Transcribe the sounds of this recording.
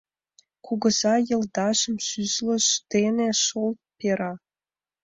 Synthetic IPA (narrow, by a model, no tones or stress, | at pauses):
kuɡɤ̆zɑjɤ̆ld̪ɑʒə̆msyzlə̆ʃd̪̥eneʃolt̪̚pʲeɾɑ